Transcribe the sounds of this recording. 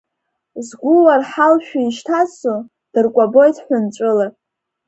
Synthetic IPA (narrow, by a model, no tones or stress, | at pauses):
zɡʷʊwarħalʃᶣaiʃtʰaso | d̥ɨrkʷʼabo̞jtʰʼħʷʊnt͡ʃʷʼɨla